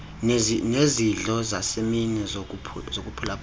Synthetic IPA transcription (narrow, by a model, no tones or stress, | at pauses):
nneziɮɔzaseminɛzok̬upʰṵzok̬ʼupʰulapʰ